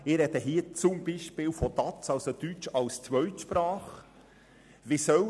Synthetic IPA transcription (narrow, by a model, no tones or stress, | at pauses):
ɪɾɛd̪əɦiːət͡sʊmbiʃpɪlfɔd̪ɑt͡sɑlsod̪yt͡ʃɑlst͡sʋœɥt̪ʃpɾɑːχ | ʋisœ